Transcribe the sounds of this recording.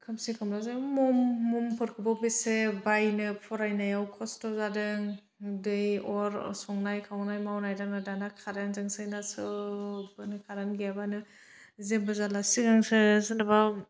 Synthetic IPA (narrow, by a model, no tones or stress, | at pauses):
kʰɯmsikʰɯmɾazamɔmːumpʰɯɾkʰɯbabisebajnɯpʰɔɾajnajawkʰɔstɔzadɯŋ | dɯjɔɾsɔŋnajkʰawnajmawnajdaŋnɯdanakʰaɾanzaŋsɯjnasɯbanɯkʰaɾanɡabanɯ | zebɯzalasiɡaŋsɯsɯnaba